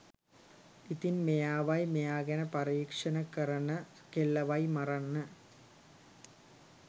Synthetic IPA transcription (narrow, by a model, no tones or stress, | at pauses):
it̪inmejaːʋɐjmejaːɡɐnɐpɐriːkʂɐnɐkɐɾɐnɐ | kelːɐʋɐjmɐrɐnːə